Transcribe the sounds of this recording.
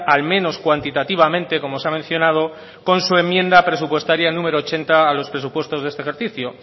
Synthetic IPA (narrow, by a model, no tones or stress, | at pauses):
almẽ̞no̞skwant̪it̪at̪iβ̞amẽ̞nt̪e̞ko̞moseamẽ̞n̟θjo̞nað̞o̞ | ko̞nsue̞mːjẽ̞nd̪apɾe̞supwe̞st̪aɾjanũme̞ɾoːt͡ʃe̞nt̪aːlo̞spɾe̞s̬upwe̞st̪o̞zðe̞st̪exe̞ɾθiθjo